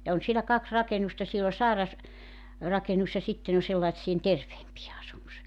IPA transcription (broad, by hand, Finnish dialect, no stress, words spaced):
jɑ on sielæ kɑks rɑkenustɑ siel o sɑˑerɑs rɑkenus jɑ sitːen o selːɑĭtsien terʋeːmpije ɑsumus